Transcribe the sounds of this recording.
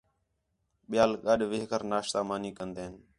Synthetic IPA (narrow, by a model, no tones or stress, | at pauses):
ɓɪjaːlɠəɗʋɪɦkəɾnaːʃsaːmaːniːkənd̪eːɦən